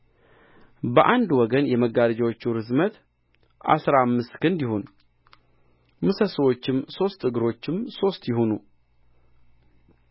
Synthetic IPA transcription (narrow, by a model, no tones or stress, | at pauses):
bəʔand̪wɔɡənjɛməɡaɾd͡ʒawot͡ʃːuɾɨzmət̪ | ʔa̰sɾamːɨst̪kʰɨnd̪jɪɦo̞n | mɨsəsəwo̞t͡ʃːɪmso̞st̪ʰɨɡɨɾo̞t͡ʃːɪmso̞st̪jɪɦo̞nu